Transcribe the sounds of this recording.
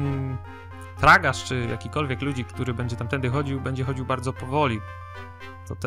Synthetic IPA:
t̪ɾaɡaʂt͡ʂɘja̰kʲikɔlvʲjɛklud͡ʑikt̪uɾɘbɛɲd͡ʑɛt̪amt̪ɛnd̪ɘxɔd͡ʑiwbɛɲd͡ʑɛxɔd͡ʑiwbaɾd̪zɔpɔvɔlʲi | t̪ɔt̪

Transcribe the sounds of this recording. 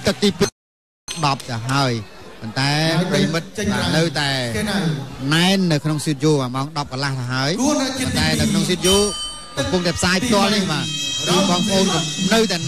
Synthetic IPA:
t̪ɨk̚t̪iːpi | ɗɑp̚t̪ʰaɦaəjpont̪aɛpprəjimɨt̪̚ɓaːnɨwt̪aɛ | naɛnːɨwkʰnoŋsiːt̪̚joːɓaːmaɔŋɗɑp̚kalaht̪ʰaːɦaəjont̪aɛnɨwkʰnoŋsiət̪̚joː | kɑmpʊŋt̪aɛpʰsaːjpʰt̪ŏəlnihɓaːrɨːɓɑːŋpʰoːnnɨwt̪aɛ

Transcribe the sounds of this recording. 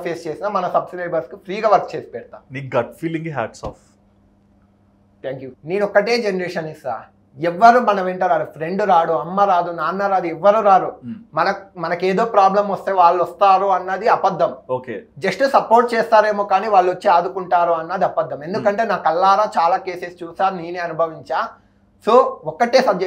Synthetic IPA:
pʰeːst͡ʃe̞ːsinamɐnɐsɐbsiɖeːʈ̚bɐskupʰɾiːɡɐʋɐɾkt͡ʃeːsi̥pɛɽt̪a̰ːmniːɡɐʈfʰiːliŋɡɦaːʈsa̰ːf | t̪ʰaːŋkjuneːnɔkːɐʈeːd͡ʒenɐɾeːʂɐnisa̰ː | ɛʋːɐɾumɐnɐʋeɳʈɐɾaːɾupʰɾe̞ɳɖuɾaːɽuɐmːɐɾaːd̪unaːnːaɾaːd̪uɛʋːɐɾuɾaːɾumɐnɐmɐnɐkeːd̪o̞ːpɾaːblɐmʋɐst̪e̞ːʋaːɭːɐst̪aːɾuɐnːɐd̪iɐpɐd̪ʱːɐmoːkḛd͡ʒɐsʈusɐpoːɾʈ̚t͡ʃeːst̪aːɾeːmoːkaːniːʋaːɭːuʋɐt͡ʃːiaːd̪ukuɳʈaːɾuɐnːaːd̪iɐpɐd̪ʱːɐme̞nd̪ukɐɳʈe̞ːnaːkɐlːaːɾaːt͡ʃaːlaːkeːsest͡ʃuːsaːɾuniːneːɐnubʱɐʋiɲt͡ʃaː | soːɔkːɐʈe̞ːsɐd͡ʒ

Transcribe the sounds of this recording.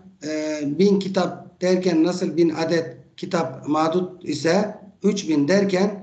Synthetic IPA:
bincʰit̪ap̚d̪̥æɾcʰɛnːasɯlˠbinad̪ɛt̪cʰit̪ʰapmaːd̪ut̪̚isɛyt͡ʃbind̪æɾcʰæn

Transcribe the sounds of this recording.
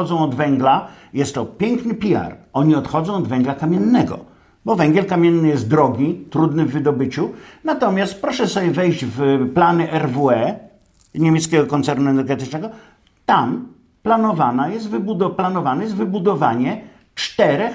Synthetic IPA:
ɔd̪zɔ̃w̃ɔd̪vɛŋɡlajɛst̪ːɔpʲjɛŋknɘpʲia̰ɾɔɲiɔt̪xɔd̪zɔ̃w̃ɔd̪vɛŋɡlakamʲjɛnːɛɡɔ̰ | bɔvɛŋɡʲjɛlkamʲjɛnːɘjɛst̪̚d̪ɾɔɡʲit̪ɾud̪nɘvːɘd̪ɔbɘt͡ɕunat̪ɔmʲjast̪̚pɾɔʂɛsɔbʲjɛvɛjʑd͡ʑvplanɘʔɛɾvuɛ | ɲemʲjet̪skʲɛɡɔkɔnt̪sɛɾnuɛnɛɾɡɛt̪ɘt͡ʂnɛɡɔ | t̪am | planɔvanajɛst̪vɘbud̪ɔplanɔvanɪjɛst̪vɘbud̪ɔvaɲɛ | t͡ʂt̪ɛɾɛ

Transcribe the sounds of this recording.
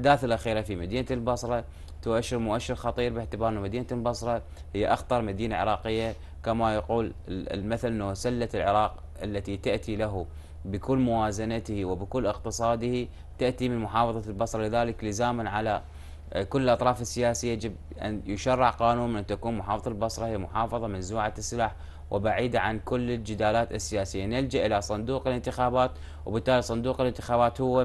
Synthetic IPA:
ħd̪aːθɪlʔaxiːɾafimad̪iːnalbɑsˤɾˤɑ | t̪ʊʔaʃːɪɾmʊʔaʃːɪɾxɑt̪ˤiːɾbɪʕt̪ɪbaːɾʔɪnːmad̪iːnalbɑsˤɾˤɑ | hɪjːaʔaxt̪ɑɾˤmad̪iːnaʕɪ̰ɾˤɑːqɪjːa | kamajaquːl̰lmaθalʔɪnːahsalːat̪lʕɪ̰ɾɑːq | ʔalːat̪it̪aʔt̪ilaɦu | bɪkʊlːmʊwaːzanat̪hiwɪbɪkʊlːʔɪqt̪ɨsˤɑːd̪hi | t̪aʔt̪imɪnmʊħɑːfɑðˤɑlbɑsˤɾˤɑlɪðaːlɪklɪzaːmanʕala | kʊlːlʔɑt̪ˤɾˤɑːfɪsːɪjaːsɪjːajad͡ʒɪb | ʔa̰njʊʃarːɪʕqaːnuːnmnʔɪnt̪akuːnmʊħɑːfɑˤðˤɑlbɑsˤɾˤɑhɪjːamʊħɑːfɑðˤɑmɪnzuːʕasːɪlaːħ | wʔɪbaʕiːd̪aʕankʊlːɪld͡ʒɪd̪aːlaːt̪ɪsːɪjaːsɪjːanɪld͡ʒaʔɪlasˤɑnd̪uːqɪlʔɪnt̪ɪxaːbaːt̪ | wɪbɪt̪ːaːlisˤɑnd̪uːqɪlʔɪnt̪ɪxaːbaːt̪hʊwːa

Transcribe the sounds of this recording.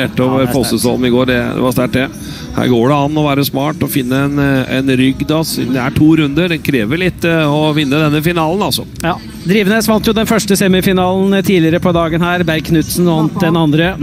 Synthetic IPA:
ɛʈɔʋəɾpɔst̪əsɔ̰ːln̩ɪɡoːɾɖ̪ɛ̰d̪ɛ̰ʋɑɾst̪æʈ̚d̪ɛ | hæ̰ːɾɡoːɖɛɑnːɔʋæːɾəsmɑːʈɔfɪnːəɛnɛ̰nɾʏɡːd̪ɑsd̪ɛæʈʰuːɾʉnd̪əɖ̪ɛnkʰɾeːʋəɭɪt̪ːɔʋɪnːəd̪ɛnːəfɪnɑːlnɑlsɔ̰ | jɑː | d̪ɾiːʋənəsʋɑnt̪jʊd̪ɛnfœʂʈəseːmɪfɪnɑːln̩t̪ʰiːlɪəɾəpʰɔd̪ɑːɡənhæːɾbæɾkːʰnʉt̪sn̩nt̪̚d̪ɛnɑnd̪ɾə

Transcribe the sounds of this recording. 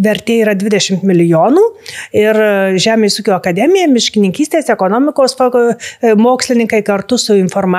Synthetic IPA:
ʋʲɛɾʲt̪ʲeːiːɾɐd̪ʲʋʲɪd̪ʲɛʃʲɪmt̪mʲɪlʲɪjoːnuːɪrʒʲæːmʲeːsuːkʲoːɐkɐd̪ʲɛmʲɪjeːmʲɪʃʲkʲɪnʲɪŋʲkʲiːst̪ʲeːsɛkoːnoːmʲɪkoːsfɐmoːksʲlʲɪnʲɪŋkɐɪkɐrt̪ʊsʊɪnfoːrmɑ

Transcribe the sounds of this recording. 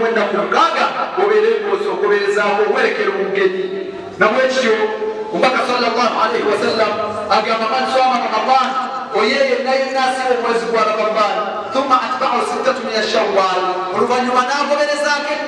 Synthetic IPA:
endamumukaɡawoβeːɾeːbozoːkoβeɾezakoweːɾekeɾouɡeɲi | naβweːt͡ʃio | ubakasalːalˠˤːaːhualejhiwasalːamu | aɡamaβanijawakamaβaːnu | ojejenajenaːsiwokweːziɡwaːlaβaɾubaːna | θumːaʔːtiβaʔaositatumijaʃaβaːla | oluvaɲiɾwanakoβeɾezake

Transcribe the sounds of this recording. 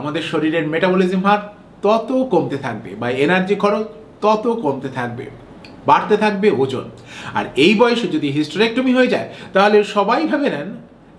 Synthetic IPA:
amad̪eɾʃoɾiɾeɾmeʈabolizemɦaɾ | t̪ɔt̪okomt̪et̪ʰak̚bḛbaenaɾd͡ʑikʰɔɾo | t̪ɔt̪okomt̪et̪ʰak̚bḛ | baɽt̪et̪ʰak̚beot͡ɕo̰n | a̰ɾejbɔeʃod͡ʑod̪iɦisʈoɾek̚ʈomiɦoed͡ʑaet̪aɦoleʃɔbajbʱebenɛn

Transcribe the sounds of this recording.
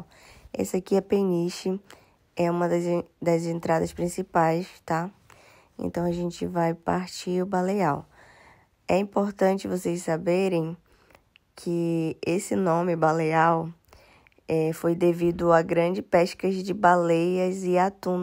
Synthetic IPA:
ɛ̰sakiɐpẽniʃɪ | ɛũmɐd̪ɐzd̪ɐzẽnt̪ɾad̪ɐspɾĩsipajst̪a | ḛ̃nt̪ɐ̃w̃aʒẽnt͡ʃɪvajpa̰ɾt͡ʃiʊbaleaw | ɛĩpoɾt̪ɐ̃nt͡ʃɪvosejssabeɾẽj̃ | kʰɪesɪnõmɪbaleaw | ɛfojd̪evid̪ʊaɡɾɐ̃d͡ʒɪpɛʃkɐzd͡ʒɪbalejɐzɪat̪ũn

